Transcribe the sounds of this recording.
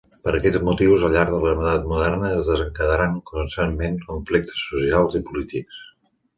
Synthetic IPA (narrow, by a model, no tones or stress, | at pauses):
pəɾəkɛd͡zmut̪iwzəʎʎːaɾɡðələɾmət̪at̪̚muðɛrnəːzðəzəŋkəðəɾaŋkunst̪anmenkuɱflek̚t̪ʰə̥sːusialˠzipulit̪iks